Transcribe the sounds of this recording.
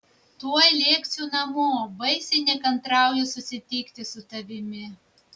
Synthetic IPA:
t̪uɔɛlʲeːk̪ʲsʲuːnɐmoːbɐɪsʲɪnʲɪkɐnt̪ɾɑˑʊjɛsʊsʲɪt̪ʲiːkt̪ʲɪsʊt̪ɐʋʲɪmʲɪ

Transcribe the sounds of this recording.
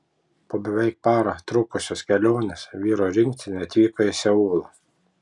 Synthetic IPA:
poːbʲɛʋʲɛˑɪk̚pɑːɾɐt̪ɾʊkʊsʲoːskʲɛlʲoːnʲesʋʲiːɾoɾʲɪŋʲkt̪ʲɪnʲɐt̪ʲʋʲiːkoɪsʲɛuːlˠɐ

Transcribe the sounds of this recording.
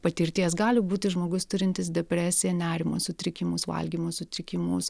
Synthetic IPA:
pɐt̪ʲɪɾʲt̪ʲiɛs̬ɡɑːlʲɪbuːt̪ʲɪʒmoːɡʊst̪ʊɾʲɪnʲt̪ʲɪsd̪ʲɛpʲɾʲæːsʲɪjɛnʲæːɾʲɪmosʊt̪ʲɾʲɪkʲɪmʊsʋɐ̰lʲɡʲiːmoːsʊt̪ʲɾʲɪkʲɪmʊs

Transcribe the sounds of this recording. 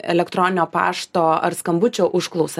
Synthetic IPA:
ɛ̰lʲɛkt̪ɾoːnʲɪnʲoːpɑ̰ːʃt̪oːɐ̰ɾskɐmbʊt͡ʃʲoːʔʊʃklˠɐʊsɐ

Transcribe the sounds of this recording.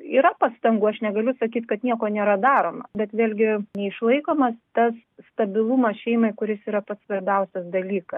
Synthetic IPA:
iːɾɐpɑːst̪ɐŋɡuːɐʃnʲɛɡɐlʲʊsɐkʲiːt̪kɐt̪nʲiɛkoːnʲeːɾɐd̪ɑːɾoːmɐbʲɛt̪ʋʲeːlʲɡʲɪnʲɛɪʃlˠɐɪkoːmɐst̪ɐs | st̪ɐbʲɪlˠumɐsʃʲɛɪmɐɪkʊɾʲɪsiːɾɐpɐt̪sʋɐɾʲbʲɛʊsʲɐsd̪ɐlʲiːkɐs

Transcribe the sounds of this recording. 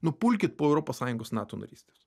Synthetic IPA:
nʊpʊlʲkʲɪt̪̚poːɛʊɾɔpoːssɑːjʊŋɡoːsnɑːt̪oːnɐ̰ɾʲiːsʲt̪ʲes

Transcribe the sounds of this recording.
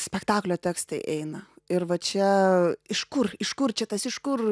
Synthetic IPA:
sʲpʲɛkt̪ɑːklʲoːt̪ʲæːkst̪ɐɪʔɛɪnɐɪrʋɐt͡ʃʲɛɪʃkʊrɪʃkʊrt͡ʃʲɛt̪ɐsɪʃkʊr

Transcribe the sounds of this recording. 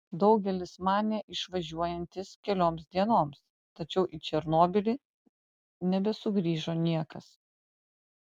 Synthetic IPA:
d̪ɒʊɡʲɛlʲɪsmɑːnʲɛʔɪʃʋɐʒʲuɔjɛnʲt̪ʲɪskʲɛlʲoːmsd̪ʲiɛnoːms | t̪ɐt͡ʃʲɛʊʔit͡ʃʲɛɾnoːbʲɪlʲi | nʲɛbʲɛsʊɡɾʲiːʒoːnʲiɛkɐs

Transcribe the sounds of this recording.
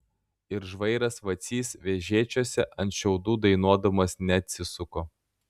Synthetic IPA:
ɪɾʒʋɐɪɾɐsʋɐt̪sʲiːsʋʲeʒʲeːt͡ʃʲoːsʲɛʔɐnt̪ʃʲɛʊd̪uːd̪ɐɪnuɔd̪ɐmɐsnʲɛɐt̪ʲsʲɪsʊkoː

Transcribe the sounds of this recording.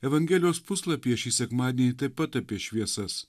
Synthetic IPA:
ɛʋɐŋʲɡʲɛːlʲɪjoːspʊslˠɐpʲiɛʃʲiːsʲɛkmɑːd̪ʲiɛnʲiːt̪ɐɪpɐt̪ɐpʲiɛʃʲʋʲiɛsɐs

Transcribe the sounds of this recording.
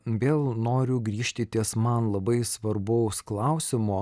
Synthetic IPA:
ʋʲeːlˠnoːɾʲʊɡɾʲiːʃʲt̪ʲɪt̪ʲiɛsmɐnlˠɐbɐɪsʋɐɾbɐʊsklˠɐʊsʲɪmoː

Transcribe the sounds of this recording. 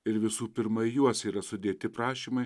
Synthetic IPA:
ɪɾʋʲɪsuːpʲɪɾmɐɪjuɔsʲiːɾɐsʊd̪ʲeːt̪ʲɪpɾɑːʃʲiːmɐɪ

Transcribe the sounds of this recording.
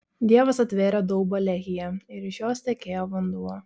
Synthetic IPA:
d̪ʲiɛʋɐsɐt̪ʲʋʲeːɾʲɛd̪ɔʊbɐlʲɛɣʲɪjɛɪɾɪʃjoːsʲt̪ʲɛkʲeːjoːʋɐnd̪uɔ

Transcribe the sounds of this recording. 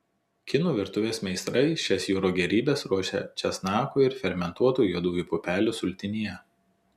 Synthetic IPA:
kʲɪnuːʋʲɪɾt̪ʊʋʲeːsmʲɛɪst̪ɾɐɪʃʲɛsjuːɾoːɡʲɛɾʲiːbʲɛsɾuɔʃʲɛ̰t͡ʃʲɛsnɑːkuːɪɾfʲɛɾʲmʲɛnt̪uɔt̪uːjjuɔd̪uːʋʲuːpʊpʲæːlʲʊːsʊlʲt̪ʲɪnʲijɛ

